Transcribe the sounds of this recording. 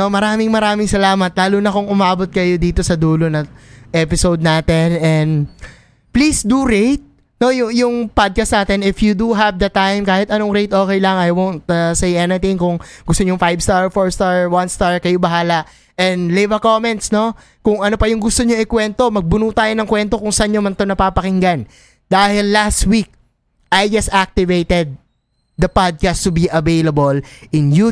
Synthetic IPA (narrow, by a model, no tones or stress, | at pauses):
omɐɾaːmɪŋmɐɾaːmɪŋsɐlaːmɐt̪̚laːluːnɐkʊŋʔʊmaːbot̪̚kɐjo̞d̪iːt̪o̞sɐd̪uːlonɐʔɛpɪsowd̪̚naːt̪ɛnɛn | plisd̪uɹejt̪̚ | no̞jʊjʊŋpad̪̚kɐsnaːt̪ɛnɪfjud̪uɦɐvd̪ɐt̪ajmkaːhɪt̪ɐnoŋɾejt̪ʔo̞ːkɛjlɐŋɐjwownt̪ɐsejɛnɪt̪ɪŋkʊŋɡʊst̪oɲʊŋfajbst̪aɹfoɹst̪aɹwɐnst̪aɹkɐjobɐɦaːlɐʔ | ʔɛnd̪levɐkomɛnt̪sno̞ | kʊŋɐnopɐjʊŋɡʊst̪oɲoŋɪkwɛnt̪o̞mɐɡ̚bʊnuːt̪aːjonɐŋkwɛnt̪o̞kʊŋsɐʔɐɲɲomɐnt̪onɐpaːpɐkɪŋɡan | d̪aːhɪlːast̪wik̚ | ʔajd͡ʒɐsak̚t̪ɪvejt̪ɛd̪̚ː | ɐpad̪̚kast̪ubiʔɐvejlɐbolʔɪnju